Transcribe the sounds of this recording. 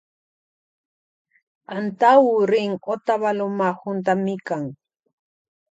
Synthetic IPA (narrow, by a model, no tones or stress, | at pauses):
ant̪awʊɾɪŋot̪aβalomahʊnt̪amɪkaŋ